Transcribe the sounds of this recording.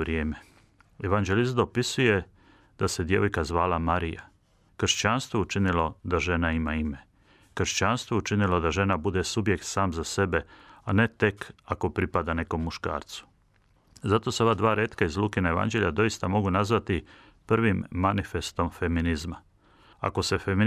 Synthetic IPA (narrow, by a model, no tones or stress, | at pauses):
ɾjeːme | e̞ʋand͡ʒe̞lisd̪o̞pisuje̞ | d̪̥ase̞d̪je̞ʋojkazʋaːlamaɾija | kr̩ʃt͡ɕanst̪ʋout͡ʃinilo̞d̪aʒe̞naimaime̞ | kr̩ʃt͡ɕanst̪ʋo̞ut͡ʃinilo̞d̪aʒe̞nabud̪esubje̞kt̪saːmzase̞be̞ane̞t̪e̞kako̞pɾipad̪ane̞ko̞mːuʃka̰ːɾt̪su̥ | zat̪o̞se̞o̞ʋaːd̪ʋaːɾeːt̪kaizlˠuːkenajeʋa̰nd͡ʑe̞ʎʲad̪o̞jist̪amo̞ɡunazʋat̪i | pr̩ʋimːanife̞st̪o̞mfe̞minizma | a̰ko̞se̞femi